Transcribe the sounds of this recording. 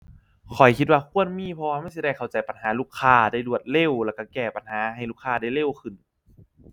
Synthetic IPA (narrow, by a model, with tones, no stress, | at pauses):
kʰɔ˨˩jkʰi˧t̪̚waː˧kʰu˧˥˩ənmiː˧˥˨pʰɔ˧waː˧ma˥˩js̬i˧˩ɾɛː˧˩kʰa˨˩wt͡ɕa˨˩jpa˨nɦaː˨˦luː˧˥˩kʰːaː˧˩daː˥˩jlu˧˩ət̪̚le˧˥˨wlɛː˧˩ka˧˩kɛː˧˩pa˨nhaː˨˦ɦa˨˩jluː˧˥˩kʰːaː˧da˥˩jle˧˥˨wkʰɯ˧˩n